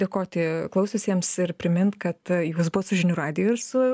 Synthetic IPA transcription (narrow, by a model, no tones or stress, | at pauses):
d̪ʲeːkoːt̪ʲɪklˠɐʊsʲʊsʲiɛmsɪɾpʲɾʲɪmʲɪnt̪kɐt̪juːsbʊʋɐsʊʒʲɪnʲuːɾɑːd̪ʲɪjoːɪrsʊ